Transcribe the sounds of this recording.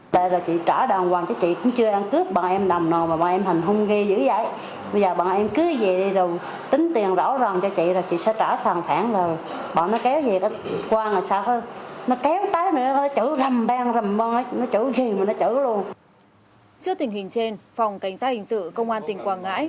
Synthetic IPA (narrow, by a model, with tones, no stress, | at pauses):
ɗḛ˧˨zaː˨˩t͡ɕḭ˧˨t͡ɕaː˧˩ɗa˨˩ŋwaː˨˩ŋt͡ɕɔ˧t͡ɕḭ˧˨kʊ̰˧˥ŋ͡mt͡ɕɨ˧əʔaː˧ŋkɨ˦˥əp̚ɓa̰ː˧˨nʔɛ˧mɗa˨˩mnɔ˨˩maː˨˩ɓa̰ː˧˩nʔɛ˧mha˨˩ŋ̟ɦə˧wŋ͡mɣe˧zɨ̰˧˥za̰˧˨j | ɓə˧jzəː˨˩ɓa̰ː˧˨nʔɛ˧mkɨ˨˦˨ze˨˩ɗi˧zə˨˩w | t̪ï˨˦ŋ̟t̪i˨˩ənzɔ̰˧˥wza˨˩nt͡ɕɔ˧t͡ɕḭ˧˨zaː˨˩t͡ɕḭ˧˨sɛ̰˧˥t͡ɕaː˧˩saː˨˩ŋfaː˧˩ŋzo˨˩j | ɓa̰ː˧˨nːɔ˨˦kɛ˨˦wze˨˩ka˨˦kwaː˧na˨˩saː˧wfa˨˧˦nɔ˨˦kɛ˨˦wt̪aː˨˦jnɨ̰˧˥˦nɔ˨˦t͡ɕɨ˧˩˥zə˨˩mɓaː˧ŋzə˨˩mvɔ˧nʔə˨˦jnɔ˨˦t͡ɕə̰˧˩ɣi˨˩maː˨˩nɔ˨˦t͡ɕɨ̰˧˩lu˧ən | sɨ˨˦ət̪i˨˩əŋhi˨˩ŋ̟se˧nfa˨˩wŋ͡mka˧˩jŋ̟saː˦˥t̚hḭ˧˨ŋsɨ̰˧˨kə˧wŋ͡mʔaː˧nt̪i˨˩əŋkwaː˨˩nŋa̰ː˧˥j